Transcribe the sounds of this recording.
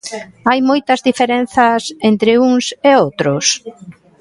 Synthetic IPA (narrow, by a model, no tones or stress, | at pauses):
ajmojt̪ɐzðifeɾenθɐsent̪ɾɪuŋseowt̪ɾʊs